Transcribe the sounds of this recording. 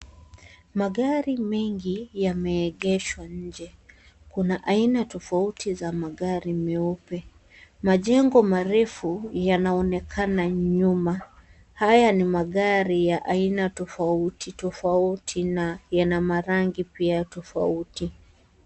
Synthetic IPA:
maɠaɾimɛŋɡijamɛːɠɛʃwaɲ̩d͡ʒɛ | kunaʔainatɔfautʰizamaɠaɾimɛɔpɛ | maʄɛŋɡɔmaɾɛfujanaɔnɛkʰanaɲuma | hajanimaɠaɾijaʔainatɔfautʰitɔfautʰinajanamaɾaŋɡipiatɔfa̰uti

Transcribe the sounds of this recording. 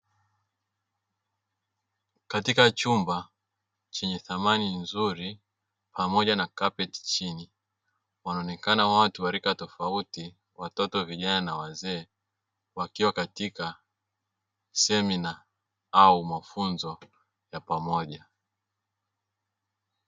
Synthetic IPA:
katikat͡ʃumba | t͡ʃɛɲɛθamaninzuɾi | pʰamɔʄanakapɛti̥t͡ʃini | wanaɔnɛkanawatuwaɾikatɔfauti | watɔtɔviʄananawazɛː | wakiwakatika | sɛmina | aumafunzɔ | japamɔʄa

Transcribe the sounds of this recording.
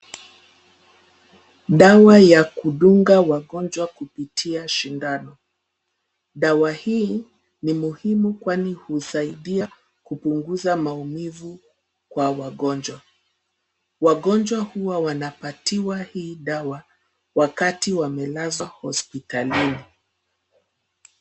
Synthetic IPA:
ɗawajakuɗuŋɡawaɠɔnd͡ʒwakupitʰiaʃindanɔ | ɗawahiː | nimuhimukwanihusaiɗia | kupuŋɡuzamaumivu | kwawaɠɔnd͡ʒwa | waɠɔnd͡ʒwahuwawanapatiwahiːɗawa | wakatiwamɛlazahɔ̰spitalini

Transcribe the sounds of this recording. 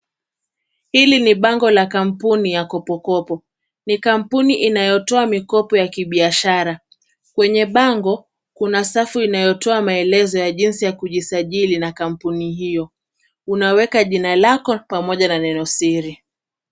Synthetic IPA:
hiliniɓaŋɡɔlakam̩punijakɔpɔkɔpɔ | nikam̩puniʔinajɔtɔamikɔpɔjakiɓiaʃaɾa | kwɛɲɛɓaŋɡɔ | kunasafuinajɔtɔamaɛlɛzɔjaʄinsijakuʄisaʄilinakam̩puniɦijɔ | unawɛkaʄinalakɔpamɔʄananɛnɔsiɾi

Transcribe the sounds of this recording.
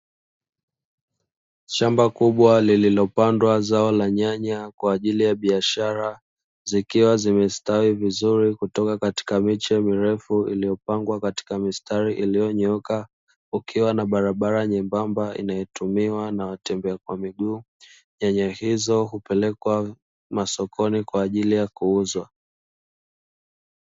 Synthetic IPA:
ʃambakuɓwalililɔpandwazaɔlaɲaɲakwaːʄilijaɓiaʃaɾa | zikiwazimɛstawivizuɾikutɔkakati̥kamit͡ʃɛmiɾɛfuḭlijɔpaŋɡwakati̥kamistaɾiʔilijɔɲɔka | ukʰiwanaɓaɾaɓaɾaɲɛmbambaḭnajɔtumiwanawatɛmbɛakwamiɠuː | ɲaɲahizɔɦupɛlɛkwa | masɔkʰɔnikwaːʄilijakuuzwa

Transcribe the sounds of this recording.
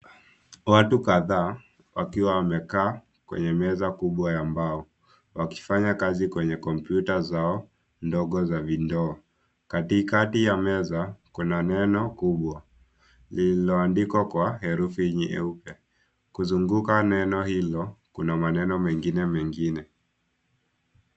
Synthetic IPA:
watukaðaː | wa̰kiwawamɛkaː | kwɛ̰ɲɛmɛzakuɓwajambaɔ | waki̥faɲakazikwɛɲɛkɔmpjutazaɔ | ndɔɡɔzavindɔː | katikatijamɛzakunanɛnɔkuɓwa | lilɔandikwakwahɛɾufiɲiʔɛ̰upɛ | kuzuŋɡukanɛnɔhilɔkunamanɛnɔmɛŋɡinɛmɛŋɡinɛ

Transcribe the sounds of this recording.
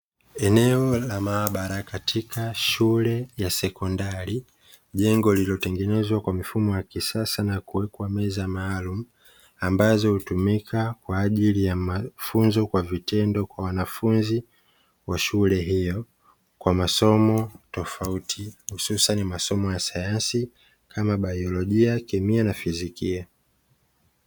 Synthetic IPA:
ɛnɛɔlamaːɓaɾakatʰikʰaʃulɛjasɛkɔndaɾi | ʄɛŋɡɔlilɔtɛŋɡɛnɛzwakwamifumɔjakisasanakuwɛkwamɛzamaːlumu | ambazɔhutumikʰakwaːʄilijamafunzɔkwavitɛndɔkwawanafunzi | waʃulɛɦijɔ | kwamasɔmɔtɔfautʰihususanimasɔmɔjasajansi | kʰamaɓajɔlɔʄiakɛmianafizikia

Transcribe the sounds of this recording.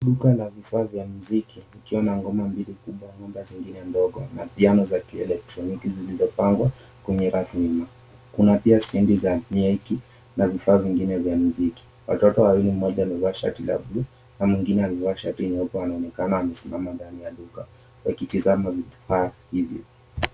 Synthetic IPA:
ɗukalavifaːvjam̩zikinikiwanaŋɡɔmambilikuɓwaɲɔmdaziŋɡinɛndɔɡɔnapianɔzakiɛ̰lɛk̚tɾɔnikizilizɔpaŋɡwa | kɛɲɛɾafima | kunapiasindizamiɛki | navifaːviŋɡinɛvjam̩ziki̥ | wa̰tɔtɔwawilim̩ːɔʄaluvaʃa̰tila̰blu | namwiŋɡinɛalivaʃatinɔkɔwanaɔnɛkanaːmɛsimamandanijaluka̰ | wa̰kitizamavifaːhivjɔ̰

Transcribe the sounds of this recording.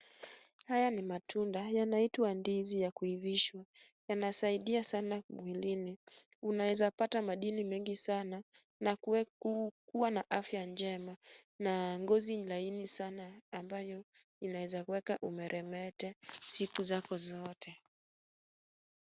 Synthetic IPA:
hajanimatʰundajanaitwandizijakuiviʃwa | janasaiɗiasanaɓwilini | unawɛzapatamaɗinimɛŋɡisana | na | kuwanaʔafjand͡ʒɛma | naŋɡɔziɲlainisanaːmbajɔ | inawɛzakuwɛkaʔumɛɾʔɛmɛtɛsikuzakɔzɔtʰɛ

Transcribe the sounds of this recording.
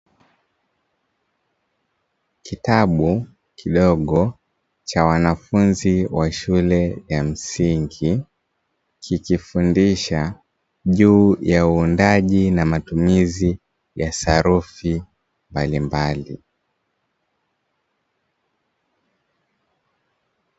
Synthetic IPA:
kitaɓu | kʰiɗɔɠɔ | t͡ʃawanafunziwaʃulɛjam̩siŋɡi | kʰikifundiʃa | ʄuːjauːndaʄinamatumizi | jasaɾufi | mbalimbalḭ

